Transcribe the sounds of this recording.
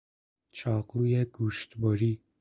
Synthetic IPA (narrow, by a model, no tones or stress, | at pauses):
t͡ʃʰɑːqujɛɡuʃt̪bɔɾi